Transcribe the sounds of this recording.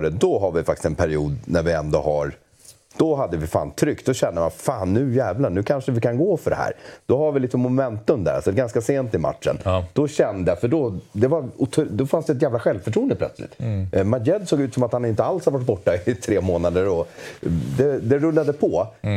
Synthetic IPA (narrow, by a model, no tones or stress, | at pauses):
ɖəd̪ɔɦaɾvɪfak̚t̪ɪ̥st̪ɛnpʰæɾɪṵːd̪næɾvɪɛnd̪ɔ̰ha̰ɾ | d̪̥ɔɦad̪ːəvɪfa̰ːnt̪ʰɾʏkt̪d̪ɔɕɛnːəma̰faːnːʉ̟jæːvlanʉ̟ːkʰanʂəvɪkʰanɡoːfœɖɛ̰hæ̰ːɾd̪̥ɔɦaɾvɪliːt̪əmʊmɛnt̪ɵmd̪æɾa̰sɔd̪ɛɡanskaseːnt̪ɪma̰t̪ʂə̰nd̪̥ɔɕɛnd̪əjafœɖɔd̪ɛvaʊt̪ʰd̪ɔfansd̪ɛt̪jæːvlaɧɛlvfœʈʰɾuːənd̪əpʰlœ̰t̪slɪ̰t̪ːmajɛd̪soːɡʉ̟t̪sɔmat̪hanɪnt̪əalshaɾvaʈ̚ːbɔʈːaɪt̪ʰɾeːmoːnad̪əɾɔ | d̪ɛd̪ɛɾɵlːad̪əpʰɔ